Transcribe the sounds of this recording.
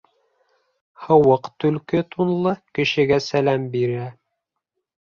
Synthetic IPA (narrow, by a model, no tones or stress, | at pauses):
hɤ̆wɤqt̪ɵ̆lkɘt̪unlˠɤkɘ̆ʃɘ̆ɡæsælæmbiɾæ